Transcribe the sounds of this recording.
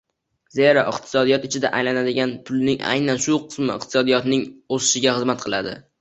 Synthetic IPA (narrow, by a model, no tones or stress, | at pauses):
zeɾaʔɪqt̪ʰɪ̥sɒd̪ijɒt̪ɪt͡ʃʰɪd̪a̰ʔajlanad̪ɪɡʲanpʰʊlˠnɪŋʔa̰jnanʃʊqʰɨ̥smɪɪ̰q̚t̪ʰɪ̥sɒd̪ijɒt̪nɪŋosɪʃɪɡʲaχɨzmat̪̚qʰɨlˠad̪ɪ̰